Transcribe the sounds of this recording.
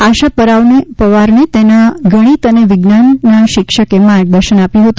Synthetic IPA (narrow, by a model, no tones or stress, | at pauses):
aʃapəɾaʋnepəʋaɾnet̪enaɡəɽ̃it̪əneʋɪɡnanːaʃɪkʃəkemaɾɡ̚d̪əɾʃənapjũɦət̪ũ